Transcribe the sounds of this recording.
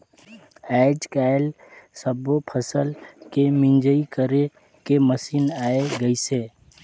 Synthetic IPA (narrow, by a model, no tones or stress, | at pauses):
ɛɪd͡ʒkaːɪl | səbopʰəsəlkemɪ̃nd͡ʒəikəɾe | keməsiːnaːeɡəiseː